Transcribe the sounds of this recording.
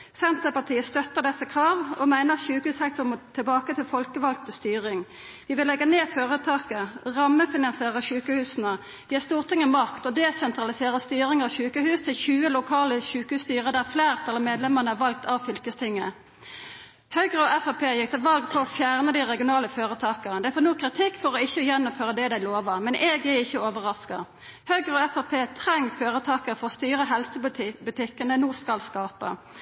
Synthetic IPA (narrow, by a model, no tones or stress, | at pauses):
sɛnt̪əpɑt̪ʰiːəst̪œt̪ːəʁd̪ɛsːəkʰʁɑːʋɔ̰mæɪnəʁɑt̪ʃʉːkəhʉːsɛŋ̚t̪ʰʊmmɔt̪ʰɪlbɑːkət̪ʰɪlfɔlkəʋɑlɡ̚t̪ʰɪst̪yːʁɪŋ | ʋɪʋɪlːɛɡːəneːføːʁət̪ʰɑːkəʁɑmːəfɪnɑnsɪeːʁəʃʉːkəhʉːsnə | jiːst̪uːʁt̪ʰɪŋːəmɑkt̪ɔd̪ɛsɛnt̪ʁɑlɪseːʁəst̪yːʁɪŋɑʋʃʉːkəhʉːst̪ʰɪlçʉːəlʊkʰɑːləçʉːkəhʉːst̪yːʁəd̪æʁfleːʁt̪ʰɑlɑmeːd̪lɛməʁnəæʁʋɑlk̚t̪ʰɑʋfʏlkəst̪ʰɪŋːə | hœɡʁəɔɛfɑpʰeːjɪk̚t̪ʰɪlʋɑlɡpʰɔɔfjæʁnəd̪ɪʁɛɡɪʊnɑːləføːʁət̪ʰɑːkənd̪æɪfonuːkʰːʁɪt̪ʰɪkːfɔʁɔɪçəjɛnːʊmføːʁəd̪ɛd̪æɪloːʋəmɛnʔɛɡæɪçːəoːʋəʁɑskɑ̰ | hœɡʁəɔɛfɑpʰeːt̪ʰʁɛŋːføːʁət̪ʰɑːkəʁfɔʁst̪yːɾəɦɛlsəbʉt̪ʰɪkːənənuːskɑlskɑːpə̰